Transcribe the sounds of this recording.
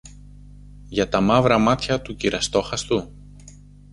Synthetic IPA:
ʝɐt̪ɐmɐvɾɐmɐt̪çɐt̪uciɾɐst̪o̞xɐst̪u

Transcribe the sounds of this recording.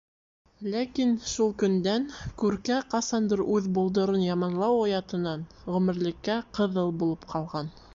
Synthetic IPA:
lækinʃulˠkɵ̆nd̪ænkʉɾkæqɑsɑnd̪ɤɾʉðbulˠd̪ŏɾɤnjɑmɑnlˠɑwojɑt̪ɤ̆nɑn | ʁʉmɘ̆ɾlɘ̆kːæqɤ̆ðɤlˠbulˠɤpqʰɑlˠʁɑn

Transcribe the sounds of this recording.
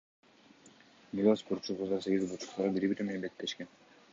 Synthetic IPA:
nilaspoɾt͡ʃuʁuzɑse̞ɡʲizbut͡ʃu̥t̪ɑɑbiɾibiɾemenebe̞k̚t̪ːe̞ʃken

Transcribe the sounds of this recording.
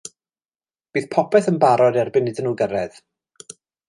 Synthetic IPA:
b̥iːθpʰɔpʰɛθənbaɾɔdɛrbɪnːɪdɪnːuːɡəɾɛð

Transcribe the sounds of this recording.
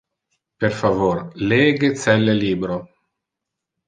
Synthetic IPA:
peɾfavoɾleːɡet̪sɛlːeliːbɾo

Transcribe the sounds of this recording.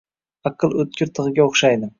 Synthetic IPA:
ɑqʰɨlˠɵt̪̚kʲɪɾt̪ʰɨʁɨɡʲaoχʃajd̪ɪm

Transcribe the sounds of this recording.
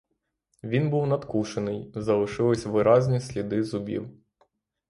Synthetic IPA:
ʋʲinbuwnɐd̪kuʃenɪjzɐlˠɪʃɪlˠɔsʲʋɪɾɑzʲnʲisʲlʲid̪ɪzʊbʲḭw

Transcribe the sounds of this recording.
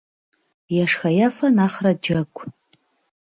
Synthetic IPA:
jaʂxajafanaχrad͡ʒakʷʰʼ

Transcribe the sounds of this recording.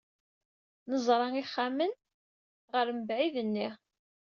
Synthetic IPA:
nəzˤɾˤɑiχːamən | ʁəɾməbʕiðənːi

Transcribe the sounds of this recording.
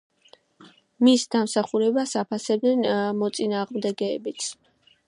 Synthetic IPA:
misd̪amsaχuɾɛbasapʰasɛb̚d̪nɛnmɔt̪sʼinaːʁmd̪ɛɡɛːbit̪sʰ

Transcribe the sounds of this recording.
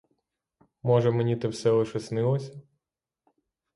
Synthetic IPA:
mɔʒɛmenʲit̪ɪwsɛlˠɪʃɛsnɪlˠɔsʲɐ

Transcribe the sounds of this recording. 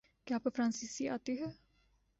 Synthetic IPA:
kɪaːpːpʰɾãːnsisia̰ːt̪iɦɛː

